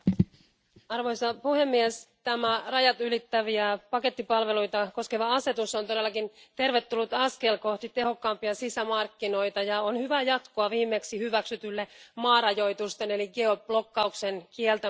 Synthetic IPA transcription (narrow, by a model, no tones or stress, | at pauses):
ɑrʋo̞jsɑpuhe̞mːiest̪æmærɑjɑt̪ylit̪ːæʋiæpɑke̞t̪ːipɑlʋe̞lujt̪ɑko̞skeʋɑɑse̞t̪usont̪ode̞lːɑkint̪e̞rʋe̞t̪ːulːut̪ɑske̞lko̞ht̪it̪e̞ɦho̞kːɑːmpiɑsisæmɑrkːino̞it̪ɑjɑonhyʋæjɑt̪koɑʋiːmːe̞ksihyʋæksyt̪ylːemɑːrɑjo̞jt̪ust̪e̞ne̞liɡeoblo̞kːɑukse̞nkielt̪æ